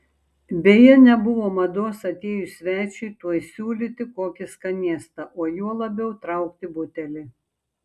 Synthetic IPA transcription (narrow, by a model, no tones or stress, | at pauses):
bʲeːjɛnʲɛbʊʋoːmɐd̪oːsɐt̪ʲeːjʊsʲʋʲæːt͡ʃʲɛɪt̪uɔjsʲuːlʲit̪ʲɪkoːkʲɪskɐnʲiɛst̪ɐʔoːjuɔlˠɐbʲɛʊt̪ɾɐˑʊk̚t̪ʲɪbʊt̪ʲɛlʲɪ